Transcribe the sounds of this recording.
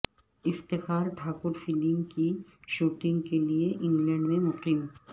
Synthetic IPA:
ɪft̪exaɾɖʱaːkuɾfiliŋkiʃuʈiŋkelieʔiŋlɛɳɖmemʊqim

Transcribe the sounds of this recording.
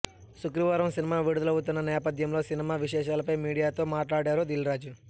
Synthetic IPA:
sukɾiʋaːɾɐmsinimaːʋiɽud̪ɐlɐwut̪̬unːɐnɛːpɐd̪ʱjɐmlo̞ːsinimaːʋiʃɛːʃaːlɐpɐjmiːɽijaːt̪o̞ːmaːʈlaːɽaːɾud̪ilɾaːd͡ʒu

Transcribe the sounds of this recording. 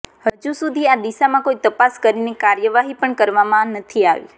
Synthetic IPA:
həd͡ʒusud̪ʱiad̪iʃamãkoit̪əpaskəɾinekaɾjəʋaɦipəɳkəɾʋamãnət̪ʰia̰ʋḭ

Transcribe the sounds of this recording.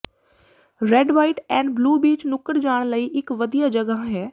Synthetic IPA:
ɾɛːɖʋaːɪʈɛːnbluːbiːt͡ʃnʊkəɾd͡ʒaːɽ̃ləiːʔɪkʋəd̪ijad͡ʒəɡəɦɦɛː

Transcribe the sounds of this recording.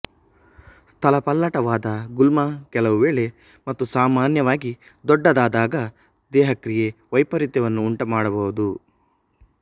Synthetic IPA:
st̪ʰɐlɐpɐlːɐʈɐʋaːd̪ɐɡulmɐkɛlɐʋuʋeːɭe̞ | mɐt̪ːusaːmaːnjɐʋaːɡid̪ɔɖːɐd̪aːd̪aːɡɐ | d̪ɛːɦɐkɾije̞ʋɐjpɐɾit̪jɐʋɐnːuːɳʈɐmaːɽɐbɐʋud̪u

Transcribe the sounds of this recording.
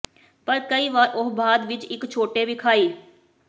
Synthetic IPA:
pəɾkəiːʋaːɾʔʊɦbʱaːd̪ʋɪt͡ʃɪkt͡ʃʰoːʈeːʋɪkʰaːiː

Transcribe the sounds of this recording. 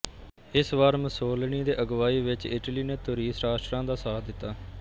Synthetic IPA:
ɪsʋaːɾməsoːlɳiːd̪eːʔəɡʋaːiːʋɪt͡ʃɪʈliːneːt̪ʊɾiːsɾaːʃʈɾãːd̪aːsaːd̪ɪt̪ːaː

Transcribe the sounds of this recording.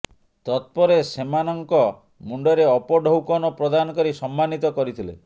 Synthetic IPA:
t̪ɔt̪̚pɔɾesemanɔŋkɔ | muɳɖɔɾeɔpɔɖʱowkɔnɔpɾɔd̪anɔkɔɾisɔmːanit̪ɔkɔɾit̪ʰilḛ

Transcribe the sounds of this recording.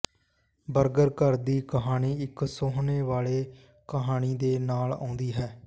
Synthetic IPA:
bəɾɡəɾkəɾd̪iːkəɦaːniːɪksoːɦneːʋaːleː | kəɦaːniːd̪eːnaːlã̰ːʊnd̪iːɦɛː

